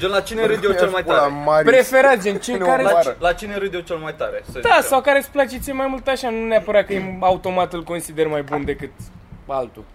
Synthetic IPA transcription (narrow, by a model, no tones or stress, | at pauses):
d͡ʒonlat͡ʃineɾɨd̪ʲjet͡ʃelmajt̪aɾmaɾpɾefe̞ɾat̪d͡ʒent͡ʃejkaɾelat͡ʃineɾɨd̪jet͡ʃelmajt̪aɾesəd̪asawkaɾet̪sʲplat͡ʃit̪siemajmult̪aʃanuneapəɾakəemaut̪o̞mat̪ɨlko̞nsid̪e̞rmajbund̪e̞kɨt̪alt̪ṵ